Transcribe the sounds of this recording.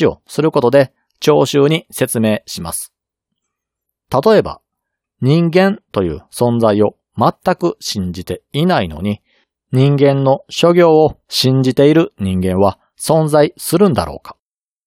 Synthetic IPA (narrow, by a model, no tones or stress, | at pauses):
io̞̰sɨɾɯ̟ko̞t̪o̞d̪e̞ | t͡ɕo̞ːɕɨːɲ̟ise̞t͡sɨme̞ːɕima̰sɨ̥ | t̪at̪o̞e̞ba̰ | ɲ̟ĩŋɡẽ̞nt̪o̞jɯ̰ːsõ̞nd͡zaio̞ | mat̪ːakɯ̟ɕĩɲ̟d͡ʑit̪e̞inaino̞̰ɲ̟i | ɲ̟ĩŋɡẽ̞nːo̞ɕo̞ɡʲo̞ːoɕĩɲ̟d͡ʑit̪e̞iɾɯ̟ɲ̟ĩŋɡẽ̞ɰ̃βa | sõ̞nzaisɨɾɯ̟̃nd̪a̰ɾo̞̰ːkḁ